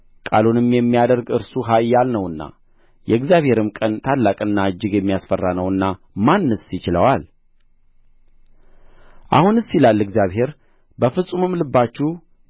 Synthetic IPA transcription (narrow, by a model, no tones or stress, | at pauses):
kʼa̰lunɨmjɛmːijad̪əɾɡɨɾsuɦajːalnəwɨnːa̰ | jɛɨɡzijaβhe̞ɾɨmkʼənt̪ʰalːakʼɨnːaɨd͡ʒːɪɡjɛmːijasfərːanəwɨnːa | manːəsjɪt͡ʃɪləwal | ʔa̰hunɨsːilalːɨɡzijaβɦe̞ɾ | bəfɨsʼumɨmlɨbːat͡ʃːu